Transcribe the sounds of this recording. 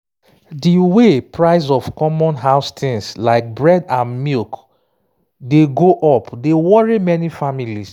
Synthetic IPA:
diwepɹaɪzɔfkɔmɔ̃nɦaʊstʰĩnslaɪk̚bɹɛdãnmilk | deɡoʔɔpdewɔɹimɛnifamilis

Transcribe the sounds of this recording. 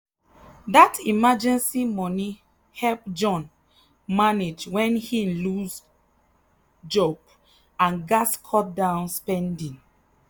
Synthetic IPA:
datʰimad͡ʒɛ̃nsimɔni | hɛlp̚d͡ʒɔ̃n | maned͡ʒwɛ̃nhilus | d͡ʒɔp | ãnɡaskʰɔt̚dãʊ̃nspɛ̃ndĩŋ

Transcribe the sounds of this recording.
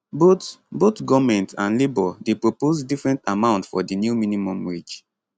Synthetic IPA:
botbotɡɔvmɛ̃ntãnlebɔdepɹopozdifɹɛ̃ntamãʊ̃ntfɔdinjuminimɔ̃mɹid͡ʒ

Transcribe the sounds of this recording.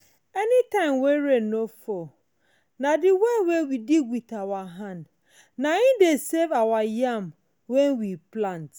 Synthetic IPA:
ɛnitãɪ̃mweɹenofɔ | nadiwewewidiɡwiθawaɦãnd | naĩdesevawajam | wɛ̃nwiplãnt

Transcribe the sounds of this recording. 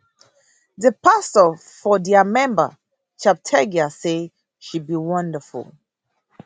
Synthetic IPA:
ðəpastə | fɔdɛamɛ̃mbə̰ | t͡ʃap̚tʰɛɡiase | ʃud̚biwʌ̃ndəfṵl

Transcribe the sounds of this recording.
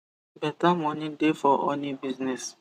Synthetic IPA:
bɛtamɔ̃nĩdefɔʔõnibiznɛs

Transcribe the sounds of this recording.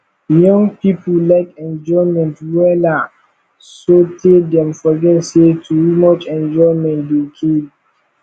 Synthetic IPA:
jɔ̃ŋpipʰəlaɪkɛ̃nd͡ʒɔɪmɛ̃ntwɛla | sotʰedɛ̃mfɔɡɛtsetʰuɹimɔt͡ʃɛ̃nd͡ʒɔɪmɛ̃ntdikʰed

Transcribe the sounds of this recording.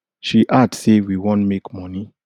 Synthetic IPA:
ʃiʔadsewiwõntmekmɔni

